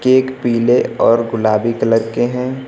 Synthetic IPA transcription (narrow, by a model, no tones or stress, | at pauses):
keːkpiːleɔːɾɡʊlaːbikələɾkeɦɛ̃ː